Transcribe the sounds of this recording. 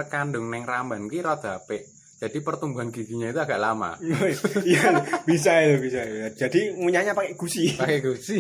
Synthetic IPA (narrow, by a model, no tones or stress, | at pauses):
rkandʊŋnɛŋrambankiɾɔd̪̥apeʔ | d͡ʒ̥ad̥ipərt̪umbuɦanɡ̥iɡ̥i̤ɲait̪uaɡ̥aʔlama̰ | jab̥is̬ait̪ubisaid͡ʒ̥adiŋuɲaɲapakeɡ̥usipakeɡusi